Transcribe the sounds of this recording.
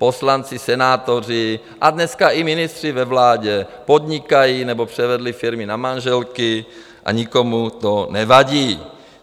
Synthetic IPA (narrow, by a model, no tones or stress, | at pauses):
po̞slant͡sɪsɛnaːt̪or̝ɪ | ʔadnɛskaʔɪmɪnɪst̪r̥ɪvɛvlaːɟɛpod̪ɲɪkajinɛbopr̝̥ɛvɛdlɪfɪɾmɪnamanʒɛlkɪ | ʔa̰ɲikomut̪onɛvaɟiː